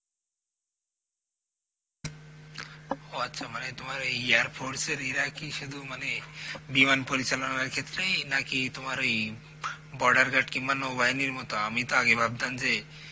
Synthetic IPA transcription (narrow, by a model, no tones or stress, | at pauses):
ɦoatːʃʰamanet̪umaɾijaɾpʰoɾseɾiɾakiʃud̪ʱumanebimanpɔɾit͡ʃalɔnaɾkʰet̪ɾejnakit̪umaɾoi | bɔɾɖaɾɡaʈkimanobajniɾmɔt̪ɔamit̪ɔaɡebʱab̚d̪and͡ʒe